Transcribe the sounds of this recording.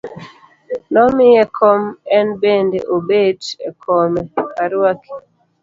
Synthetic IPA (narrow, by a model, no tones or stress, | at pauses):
nɔmɪjɛkʰɔmɛnbendḛʔobedɛ̰kʰɔmɛkʰaɾwaki̥